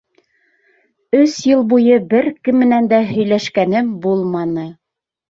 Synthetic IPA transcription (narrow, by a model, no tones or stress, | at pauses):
ɵsjɤlˠbujɤbɘɾkɘ̆mːɘ̆nænd̪æɦɵ̆jlæʃkænɘmbulˠmɑnɤ